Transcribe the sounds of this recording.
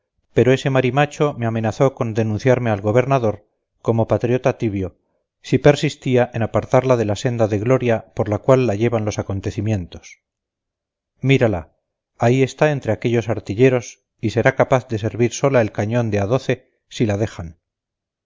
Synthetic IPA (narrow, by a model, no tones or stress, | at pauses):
pe̞ɾo̞e̞se̞maɾimat͡ʃo̞meame̞naθo̞ko̞nd̪e̞nũnθjaɾme̞alɣo̞β̞e̞ɾnaðo̞ɾ | ko̞mo̞pat̪ɾjot̪at̪iβjo̞ | sipe̞ɾsist̪iaʔe̞napaɾt̪aɾlaðe̞lase̞nd̪aðe̞ɣlo̞ɾjapo̞ɾlakwalːaʝe̞βanlo̞sako̞nt̪e̞θimje̞nt̪o̞̥s | miɾalaː | ie̞st̪ae̞nt̪ɾe̞ake̞ʎosaɾt̪iʎe̞ɾo̞s | ise̞ɾakapaθd̪e̞s̬e̞ɾβiɾso̞laelkaɲõ̞nd̪eaðo̞θe̞ | silaðe̞χan